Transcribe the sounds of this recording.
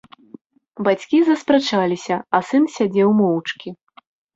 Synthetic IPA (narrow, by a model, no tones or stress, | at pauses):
bat͡sʲkʲizɐspɾɛt͡ʂalʲisʲɐɐsɨnsʲad͡zʲɛwmɔwt͡ʂkʲi